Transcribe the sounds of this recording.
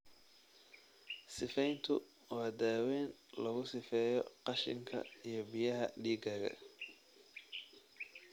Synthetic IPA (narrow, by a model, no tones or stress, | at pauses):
sɪfɛjnt̪ʰʊ | wɑːd̪aːwɛːnlɐɣʊsɪfɛːjɔqɑʃɪ̰ŋkʰɐ̰ijɞbɪjɐɦɐɖiːɡɐːɣɐ̰